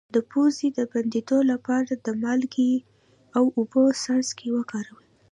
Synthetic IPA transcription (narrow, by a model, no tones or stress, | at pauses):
d̪̥əpozid̪əband̪ed̪olapɑɾad̪əmɑlɡe | awʊbosɑnzkʰewəkɑɾawi